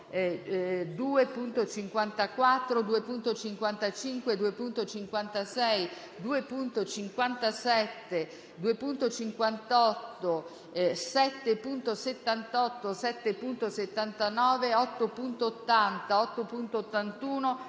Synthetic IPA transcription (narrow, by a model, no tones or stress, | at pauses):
d̪uːepunt̪ot͡ʃiŋkwant̪akwat̪ːɾod̪uepunt̪ot͡ʃiŋkwant̪at͡ʃiŋkwed̪uepunt̪ot͡ʃiŋkwant̪asɛj | d̪uːepunt̪ot͡ʃiŋkwant̪asɛt̪ːe | d̪uepunt̪ot͡ʃiŋkwant̪ɔt̪ːo | sɛt̪ːepunt̪oset̪ːant̪ɔt̪ːosɛt̪ːepunt̪oset̪ːant̪anɔːveɔt̪ːopunt̪oːt̪ːant̪aɔt̪ːopunt̪oːt̪ːant̪uːno